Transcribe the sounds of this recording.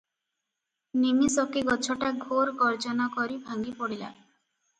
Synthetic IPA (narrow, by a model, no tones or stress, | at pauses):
nimisɔkeɡɔt͡ʃʰɔʈaɡʱoɾɡɔɾd͡ʒɔnakɔɾibʱaŋɡipɔɽila̰